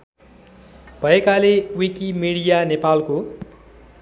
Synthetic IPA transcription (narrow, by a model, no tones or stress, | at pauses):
b̥ʱʌekalewikimiɽijanepalko